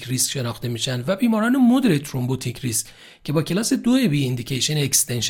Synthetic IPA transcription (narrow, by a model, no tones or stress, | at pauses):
kʰɾiskʲʃe̞nɒːxt̪e̞miːʃænd̪væbiːmɒːɾɒːnemod̪ɾet̪ʰɾombot̪ʰikʰɾiskʲ | cʰːe̞bɒːcʲʰelɒːse̞d̪oebiːind̪icʰeʃenekst̪ʰenʃ